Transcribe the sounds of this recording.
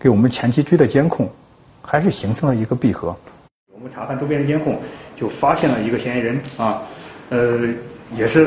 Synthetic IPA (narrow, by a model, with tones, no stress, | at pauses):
ke˧˥ɪwɔ˨˩mə˦nt͡ɕʰjɛ˧˥nt͡ɕʰi˥t͡ɕwi˥d̪ə˨t͡ɕjɛ˥nkʰʊ˥˩ŋ | xa˧˥ɪʂɻ̩˥˩ɕi˧˥ŋʈ͡ʂʰɤ˧˥ŋd̪ə˨i˧˥ɡə˧pi˥˩xɤ̰˧˥ | wɔ˨˩mə˧˩ʈ͡ʂʰa˧˥t̪ʰa˥˩nʈ͡ʂo˥pjnə˨˩t͡ɕjɛ˥nkʰʊ˥˩ŋt͡ɕjo˥˩ʊfa˥ɕjɛ˥˩nlə˩i˧˥ɡə˧ɕɛ˥ɪɻə˧˥nɐ˥˧˩ə˧jɛ˨˩ʂɻ̩˥˩